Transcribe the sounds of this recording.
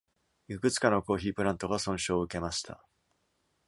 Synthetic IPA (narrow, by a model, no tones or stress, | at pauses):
jɯ̟kɯ̟t͡sɨ̥kano̞ko̞ːçiːpɯ̟ɾãnt̪o̞ɡasõ̞ɰ̃ɕo̞ːɯ̟ke̞maɕi̥t̪ʰa̰